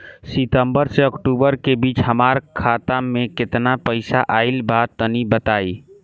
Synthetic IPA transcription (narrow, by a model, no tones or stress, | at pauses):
sit̪əmbəɾseəkʈubəɾkebiːt͡ʃɦəmaɾkʰat̪amekɪt̪napəɪsaʔaɪlbad̪̚t̪ənibət̪ai